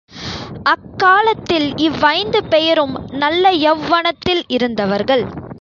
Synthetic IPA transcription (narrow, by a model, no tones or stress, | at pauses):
ʔɐkːaːlɐt̪ːɪlɪʋːɐɪnd̪ɯpɛjɐɾɯmnɐlːɐjɛʋːɐɳɐt̪ːɪlɪɾɯnd̪ɐʋɐɾɣɐɭ